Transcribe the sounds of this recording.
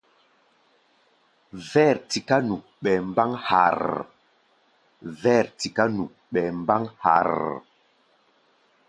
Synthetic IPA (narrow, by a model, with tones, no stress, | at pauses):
vɛ˦˨ɾti˨ka˦nu˨ | ɓɛ˨mba˦ŋha̰˨ɾ | vɛ˦˨ɾti˨ka˦nu˨ | ɓɛ˨mba˦ŋha̰˨ɾ